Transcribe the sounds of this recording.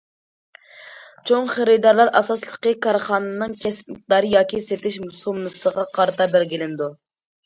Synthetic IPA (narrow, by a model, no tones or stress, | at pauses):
t͡ʃʰoŋχeɾɪd̪ɑɾlˠɑɾɑsɑslˠəqəkʰɑɾχɑːnɨnɨŋkʲʰɛspmɪk̚d̪ɑɾɨjɑːkʲiset̪ɪʃmusumːɨsəʁɑqʰɑɾt̪ʰɑbæɾɡʲilɪnd̪u